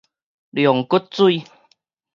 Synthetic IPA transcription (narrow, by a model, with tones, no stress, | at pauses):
ljɔ˨˩ŋkʊ˦˥t̚t͡su˥˧˨